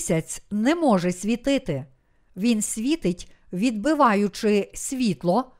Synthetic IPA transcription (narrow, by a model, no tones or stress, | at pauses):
sʲɐt͡sʲnɛmɔʒɛsʲʋʲit̪ɪt̪ɪ | ʋʲinsʲʋʲit̪ɪtʲʋʲid̪bɪʋɑjʊt͡ʃɪsʲʋʲit̪lˠɔ